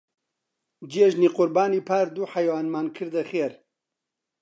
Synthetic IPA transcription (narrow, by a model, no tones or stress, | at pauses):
d͡ʒeʒniːqʊɾbaːniːpʰaːɾd̪uːħɐjwaːnmaːnkʰɨɾd̪ɐxeːɾ